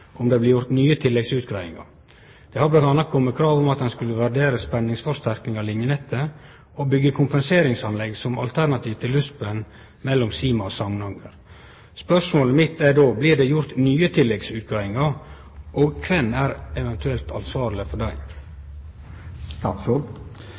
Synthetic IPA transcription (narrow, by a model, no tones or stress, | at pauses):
ɔmd̪ɛːblɪːɾjʊɾt̪nyːət̪ʰɪlːɛɡsʉːt̪̚ɡɾɑːɪ̰ŋɑ̰ | d̪̥ɛhɑblɑɑnːɑkʰɔmːəkʰɾɑːʋɔmɑt̪dɛnskʉlːəʋæɖeːɾəspɛnːɪŋsfɔɾst̪æɾknɪŋɑlɪnjənɛt̪ʰːə | ɔbʏɡːəkʰʊmpɛnseːɾɪŋsɑnlɛɡsɔmɑ̰lt̪ʰæɾnɑt̪ʰiːʋt̪ʰɪlːʉspən | mɛlːɔmsiːmɑɔsɑmnɑŋəɾ | spœʂmoːləmɪt̪ːædoːblɪːɖɛjʊɾt̪nyːət̪ʰɪlːɛɡsʉːt̪̚ɡɾɑːɪŋɑɾ | ʔɔɡkʰʋɛnːæːɾɛʋɛnt̪ʰʉɛlt̪ʰɑnsʋɑːɾlɪfɔɖæɪ | st̪ɑːt̪sɔ